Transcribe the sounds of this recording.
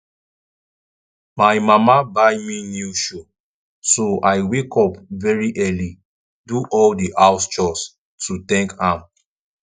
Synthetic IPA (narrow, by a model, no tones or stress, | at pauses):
majmamabajminjuʃo | soajwekʰɔpvɛɹiʔɛli | duʔɔldiʔawst͡ʃɔs | tutɛ̃ŋkhãm